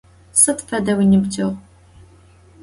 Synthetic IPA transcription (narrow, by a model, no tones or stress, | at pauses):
sɨtfɐdɐwinɨbd͡ʒɐʁʷ